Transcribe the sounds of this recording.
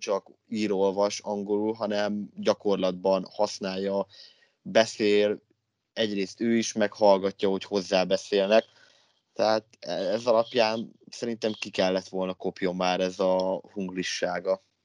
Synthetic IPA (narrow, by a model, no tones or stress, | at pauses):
t͡ʃɒk | iːɾo̞lvɒʃɒŋɡo̞lulɦɒnɛmɟɒko̞rlɒd̪̚bɒnhɒsnaːjːɒ | bɛseːl | ɛɟreːst̪øːiʃmɛkhɒlɡɒcːɒho̞cho̞zːaːbɛseːlnɛk | t̪ɛɦaːt̪ɛɛzɒlɒpjaːnsɛɾint̪ɛmkikɛlːɛt̪ʋo̞lnɒko̞pjo̞mːaːɾɛzɒhuŋɡliʃːaːɡɒ